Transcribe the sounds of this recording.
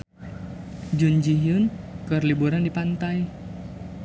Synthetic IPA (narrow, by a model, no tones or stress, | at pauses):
d͡ʒund͡ʒijʊnkərlibuɾandipant̪aj